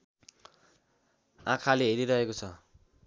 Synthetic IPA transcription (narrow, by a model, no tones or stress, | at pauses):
ãkʰaleɦeɾiɾʌɦekot͡sʰʌ